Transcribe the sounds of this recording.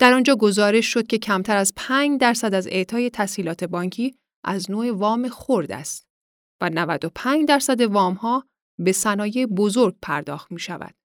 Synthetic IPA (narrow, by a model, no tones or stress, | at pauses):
d̪̥æɾɒːnd͡ʒɒːɡo̞zɒːɾe̞ʃʃo̞d̪̚kcʰe̞cʰæmt̪ʰæɾæzpʰæːɲd̪æɾsæd̪æze̞̰t̪ʰɒːje̞t̪ʰæsiːlɒːt̪ʰe̞bɒːŋcʰiː | ʔæznoːevɒːmexoɾd̪æ̰st̪ | vænævæd̪o̞pʰæːɲd͡ʒd̪æɾsæd̪e̞vɒːmhɒː | be̞sænɒːjebo̞zoɾɡ̥̚pʰæɾd̪ɒ̰ːxt̪miːʃæ̰væ̰d̪̥